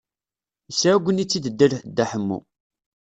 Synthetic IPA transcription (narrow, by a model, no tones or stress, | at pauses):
əsɾæɡʷənit͡sːid̪əd̪ːælħd̪ːæħəmːṵ